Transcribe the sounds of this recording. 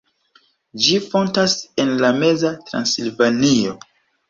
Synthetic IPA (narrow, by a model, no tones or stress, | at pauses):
d͡ʒifo̞ntase̞nlame̞zatɾa̰nsilvanio